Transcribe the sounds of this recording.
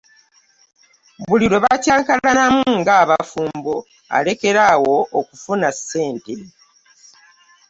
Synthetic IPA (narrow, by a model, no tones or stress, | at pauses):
βuliɾo̞βacaːŋkalanamuŋɡaːβafuːmbo | a̰le̞ke̞ɾawo̞ʔːkufunase̞ːnte